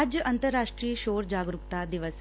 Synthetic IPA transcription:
d͡ʒjəʔɐnt̪əɾːaːʂʈɾiːjəʃoːɾd͡ʑaːɡɾukt̪ad̪iʋəs

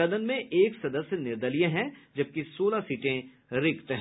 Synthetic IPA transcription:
ɐd̪ənmẽʔeːksɐd̪əsjənɪɾd̪əlijẽɦɛ̃d͡ʒɐb̚kisoːlasiːʈẽ | ɾɪkt̪ɦɛ̃

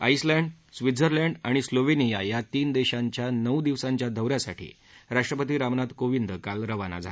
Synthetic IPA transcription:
a̰islɛ̃ɳɖ | sʋid͡zəɾlɛɳɖaɽ̃isloʋenijajat̪iːnd̪eɕãɲt͡ɕjanəwd̪iʋsãɲt͡ɕjad̪ʱəʋɾjasaʈʰḭː | ɾaʂʈɾəpət̪iːɾamnat̪koʋind̪kalɾəʋana̰d͡zʱa̰

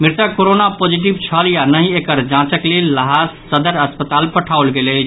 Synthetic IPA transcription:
miɾt̪akoɾonapod͡ʒiʈ̬ibt͡ʃʰəljanəɦĩekəɾd͡ʒãt͡ʃəklelːəɦassəd̪əɾəspət̪alpəʈʰawlɡele

